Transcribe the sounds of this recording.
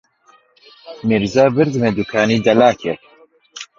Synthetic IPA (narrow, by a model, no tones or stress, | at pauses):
miɾzaːbɨɾd̪ɨmed̪ukʰaːniːd̪ɐlaːkʰɛ